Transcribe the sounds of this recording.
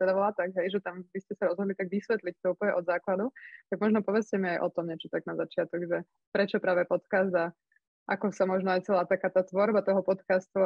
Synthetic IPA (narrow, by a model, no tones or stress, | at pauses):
t̪ɛd̪abɔlaːt̪aɡɦɛjʒɛt̪ambiscɛsaɾɔzɦɔd̪lit̪aɡʋisʋɛt̪lic̚t̪ɔupəl̩ɲɛʔɔd̪zaːklad̪ut̪aɡ̚mɔʒnɔpɔʋɛt͡scɛmiajʔɔt̪ɔmɲɛt͡ʃɔt̪aɡnazat͡ʃɪat̪ɔɡʒɛ | pɾɛt͡ʃɔpɾaːʋɛpɔt̪kazd̪a | ʔakɔsamɔʒnɔajt͡sɛlaːt̪akaːt̪aːt̪ʋɔɾbat̪ɔɦɔpɔt̪kast̪u